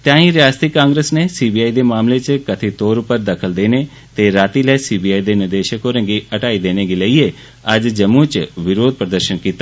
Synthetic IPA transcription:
t̪jãːĩːɾɪjaːst̪ɪkːãːŋɡɾeːsneːsiːbiːaːiːd̪eːmaːmlet͡ʃkət̪ʰeːt̪oːɾʊpəɾd̪əkʰəld̪eːneː | t̪eːɾaːt̪iːləːsiːbiːaːid̪eːnɪɾd̪eːʃəkoːɾə̃ːɡiːəʈaːid̪eːneːɡeləiːeː | əd͡ʒd͡ʒəmũt͡ʃʋɪɾoːd̪̚pɾəd̪əɾʃənkiːt̪aː

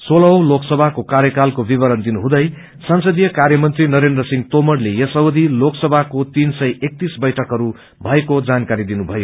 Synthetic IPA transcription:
solʌwloksʌbʱakokaɾjʌkalkobiβʌɾʌnd̪inuɦũd̪ʌj | sʌnsʌd̪ijʌkarjʌmʌnt̪rinʌɾend̪rʌsiŋɡt̪omʌɽlejʌsʌwd̪ʱiloksʌbʱakot̪insʌjek̚t̪isbʌjʈʰʌkɦʌɾu | bʱʌekod͡zankaɾid̪inubʱʌjo

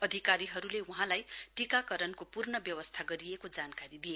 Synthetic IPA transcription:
ʌd̪ʱikaɾiɦʌɾuleuɦãlajʈikakʌɾʌnkopurnʌbjʌwʌst̪ʰaɡʌɾijekod͡zankaɾid̪ie

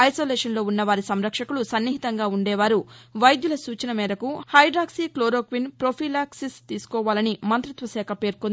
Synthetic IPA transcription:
ɐjso̞ːlɛːʂɐnlo̞ːunːɐʋaːɾisɐmɾɐkʂɐkulusɐnːiːɦit̪ɐŋɡaːuɳɖɛːʋaːɾuʋɐjd̪julɐsuːt͡ʃɐnɐmɛːɾɐkuhɐjɖɾaːksikloːɾoːkʋinpɾoːpʰilaːksist̪iːsu̥kɔːʋaːlɐnimɐnt̪ɾut̪ʋɐsɛːkʰɐpe̞ːɾkond̪

